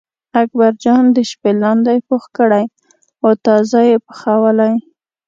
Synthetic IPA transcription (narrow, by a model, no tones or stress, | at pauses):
ak̚baɾd͡ʒɑnd̪əʃpelɑnd̪ajpoxkəɽaj | xot̪ɑzajepə̥xawəlaj